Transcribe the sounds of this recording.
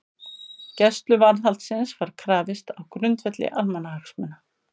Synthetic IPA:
cɛst̪lʏvaɾðalt̪sɪnsvaɾ̥kʰɾaːvɪst̪awkɾʏnt̪fɛt̪lɪ̰ʔalmɛnːahaksmɛnːa

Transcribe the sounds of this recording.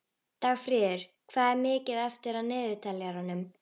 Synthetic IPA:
t̪aːɣfɾɪːðɪɾ̥ | kʰvaːðɛɾmɪːcɪðɛft̪ɪɾaðnɪːðʏt̪ʰɛlːɛaɾanʏm

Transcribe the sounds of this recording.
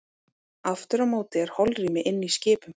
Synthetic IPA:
aft̪ʏɾamoːwt̪ɪɛɾ̥hɔlriːmɪʔɪnːiscɪːpʏm

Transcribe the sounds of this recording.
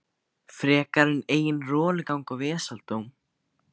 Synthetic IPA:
fɾɛːkaɾɪneːjɪnrɔːlɪkawŋkawvɛːsalt̪oːwm

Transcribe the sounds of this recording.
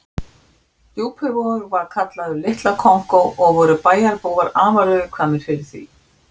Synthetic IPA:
t̪juːphʏvoʏɾvaɾ̥kʰat̪laðʏlɪht̪lakʰɔŋ̥kowʔɔɣvɔːɾʏpaːjaɾpoːwɣaɾaːvaɾʏʏkʰvaːnːɪɾ̥fɪɾɪɾ̥θḭ

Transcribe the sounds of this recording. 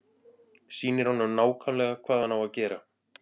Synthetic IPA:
siːnɪɾ̥hɔnːamnaːwkʰanlɛɣakʰvaːðhanhavaðcɛːɾa

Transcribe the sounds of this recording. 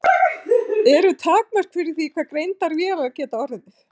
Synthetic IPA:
ɛɾʏt̪ʰaːknar̥k̪fɪɾɪθikʰvaːkɾejnt̪aɾvjɛalaacɛːt̪aɔɾɪðɪ

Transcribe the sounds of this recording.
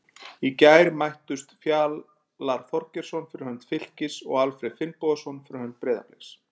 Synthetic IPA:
icaːjɾmajht̪ʏst̪fjaːl | laɾ̥fɔr̥cɛɾ̥sɔnfɪɾɪ̥hœnt̪fɪl̥cɪsɔ̰ɣalfɾɪfɪlpɔðasɔnfɪɾɪhœnt̪̚pɾɛːða̰plɪs

